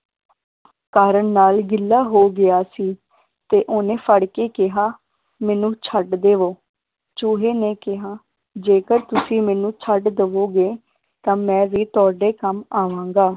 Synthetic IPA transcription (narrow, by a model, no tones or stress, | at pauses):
kaːɾəɳnaːlɡɪlːaːɦoːɡɪjaːsiː | t̪eːʔoːnẽːfʰəɽkeːkɪɦaː | mɛːnũːt͡ʃʰəɖd̪eːʋoː | t͡ʃʊːɦeːneːkɪɦaː | d͡ʒeːkəɾt̪ʊsĩːmɛːnũːt͡ʃʰəɖd̪əʋoːɡeː | t̪ãːmɛ̃ːʋiːt̪ʊaːɖeːkəmaːʋãːŋɡaː